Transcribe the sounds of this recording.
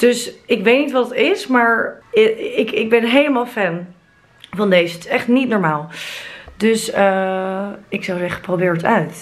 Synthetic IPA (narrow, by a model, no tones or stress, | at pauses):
d̥øsɪkʋejtnitʋɑtətɪsmaːɹ | ɪkɪɡ̚bɛnɦejləmaːlˠfɛn | vɑndejzətɪ̥sɛχtnitnɔːɹmaːlˠd̥øsə | ɪksawzɛχə̥prowbɪːɹtœɥt